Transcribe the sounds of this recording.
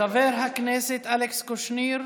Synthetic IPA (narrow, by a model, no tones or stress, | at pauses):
aveːɾɦakneːsɪt̪ʰalɛkskʊʃniːɾ